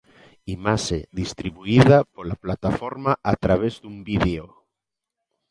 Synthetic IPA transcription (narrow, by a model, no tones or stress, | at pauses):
imaʃeðist̪ɾiβuiðapolaplat̪afoɾmaʔat̪ɾaβ̞ezðumbiðeo